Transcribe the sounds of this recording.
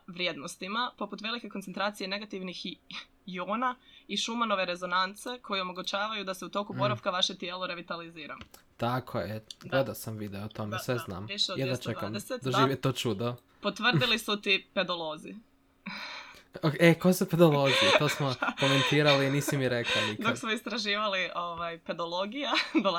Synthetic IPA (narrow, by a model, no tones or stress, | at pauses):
ʋɾje̞d̪nost̪imapo̞put̪ʋe̞like̞konsent̪ɾaːt̪sije̞ne̞ɡat̪iʋnix | joːnaiʃumano̞ʋe̞ɾe̞zo̞nant̪se̞kʰo̞jeo̞mo̞ɡut͡ɕaːʋajud̪aseut̪o̞kubo̞ɾaʋkaʋaʃet̪jeːlˠoɾe̞ʋit̪aliziːɾa̰m | t̪akʰojeɡled̪asamʋid̪eot̪omesʋezna̰ːmiʃeodjɛd̪ast͡ʃek̪kamd̪eset̪d̪oʒiʋjet̪ot͡ʃud̪o | pot̪ʋrd̪ilisut̪iped̪olˠo̞ːzi | okekojesuped̪olˠoɡijet̪osmokoment̪iːɾaliniːsimiɾeklˠanikdk̪oksmoist̪ɾaʒiːʋaliʔoʋajped̪olo̞ɡijad̪o